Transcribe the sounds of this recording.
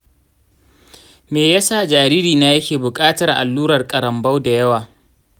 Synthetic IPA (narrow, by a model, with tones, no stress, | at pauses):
meː˨ja˦saː˦˨d͡ʒaː˨ɾiː˦ɾiː˨na˦jɐ˦kʲeː˨bʊ˨kʼaː˦tɐ˨rʔa̰˨lːuː˦ɾɐ˨rkʼɐ˨ɾɐ˨mbɐ˦wda˨jɐ˦waː˨